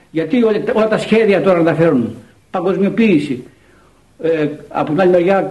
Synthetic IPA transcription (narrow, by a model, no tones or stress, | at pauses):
ʝɐt̪ioo̞lɐt̪ɐsçe̞ðiɐt̪o̞ɾɐnðɐfe̞ɾuun | pɐŋɡo̞zmio̞piːsi | eɐ̰pot̪inɐlineɾʝɐ